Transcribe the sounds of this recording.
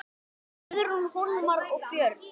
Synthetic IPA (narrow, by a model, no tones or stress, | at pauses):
ðɾunhunmaɾɔɣpjœɾ